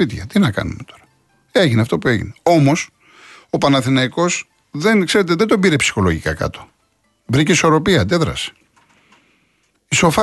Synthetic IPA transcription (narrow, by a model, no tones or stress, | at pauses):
it̪çɐ̰t̪inɐkɐ̰nume̞t̪o̞ɾɐ̥ | e̞ʝineɐft̪o̞pue̞̰ʝḭneo̞mo̞s | opɐnɐθinɐiko̞s | ðe̞nkse̞ɾe̞t̪̬eðed̪o̞biɾe̞psi̥xo̞lo̞ʝikɐ̰kɐ̰t̪o̞̥ | bɾiceiso̞ɾo̞piɐd̪e̞ðɾɐ̰se̥ | iso̞fɐ